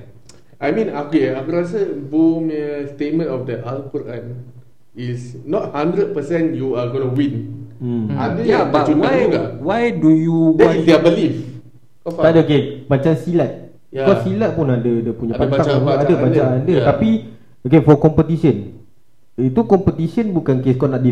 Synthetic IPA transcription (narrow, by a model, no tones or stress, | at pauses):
ajmĩnakeakuɾas̬əboməstet̚mə̃nɔfdəʔalkɔɾãn | isnɔt̚hãndɾəd̚pəsɛ̃njuaɡonuwĩn | a̰dəjaaunajuɡawajdujuwɛaidbəlif | taʔadəokebat͡ʃaŋsilat̪̚ | kɔsilat̪̚punadədəpuɲãpanaakadəbat͡ʃãŋadət̪api | okefɔkɔmpət̪isən | it̪ukɔmpət̪isənbukankeskɔnaʔdi